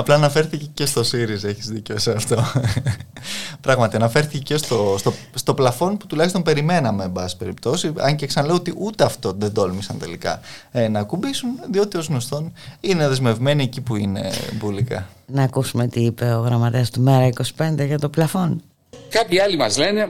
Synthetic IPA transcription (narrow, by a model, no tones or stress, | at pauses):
ɐplɐːnɐfe̞ɾθicecest̪o̞siɾize̞çizðiceoseɐft̪o̞ | pɾɐɣmɐt̪iɐnɐfe̞ɾθicecest̪o̞st̪o | st̪o̞plɐfo̞npu̥t̪ulɐçist̪ompe̞ɾime̞nɐme̞ːbɐsspe̞ɾipt̪o̞siɐ̰ɲceksɐnɐleoot̪iʔut̪eɐft̪o̞ðe̞d̪o̞lmisɐnt̪e̞̰likɐ̰nɐːkubisunðio̞t̪io̞zɣno̞st̪o̞nine̞ðezme̞vme̞niɐcipuine̞̰bulikɐ̰nɐːkusumet̪iipe̞oɣɾɐmɐt̪eɐst̪umeɾɐiko̞si̥pe̞nd̪eʝɐt̪oplɐfo̞n | kɐpçiɐlimɐzlene̞